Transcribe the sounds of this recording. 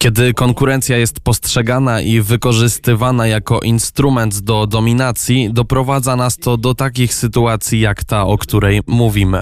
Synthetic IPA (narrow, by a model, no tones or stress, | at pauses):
kʲɛd̪ɘkɔŋkuɾɛnt̪sʲjajɛst̪pɔstʂɛɡanaʔivɘkɔʐɘst̪ɘvanajakɔʔinst̪ɾumɛnd̪d̪ɔd̪ɔmʲinat̪sʲjid̪ɔpɾɔvad̪zanast̪ɔd̪ɔt̪akʲixsɘt̪uat̪sʲjijakt̪aɔkt̪uɾɛjmuvʲimɘ̰